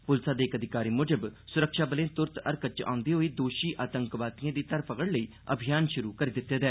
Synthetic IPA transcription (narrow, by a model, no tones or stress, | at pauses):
pʊlɪsaːd̪eːɪkəd̪ʱɪkaːɾiːmʊd͡ʒəbsʊɾəkʃaːbəlẽːt̪ʊɾt̪əɾkət͡ʃã̰ːnd̪eːɦoːiːd̪oːʃiːʔaːt̪əŋkʋaːt̪iẽːd̪iːt̪əɾpʰəɡəɽləiː | əbʱijaːnʃʊɾuːkəɾiːd̪ɪt̪ːeːd̪ɛː